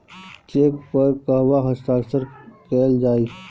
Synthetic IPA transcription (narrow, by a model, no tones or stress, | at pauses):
t͡ʃeːk̚pəɾkəɦwaɦəst̪aːksəɾkɛːld͡ʒaːi